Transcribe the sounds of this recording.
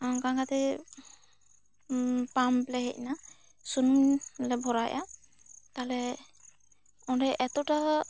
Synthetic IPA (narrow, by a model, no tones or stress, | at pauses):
aɡaŋɡat̪ɛ | pamplɛhɛc̚na | sunuŋlɛbʱɔɾajʔa̰ | t̪alɛ | ɔndɛʔɛt̪ɔta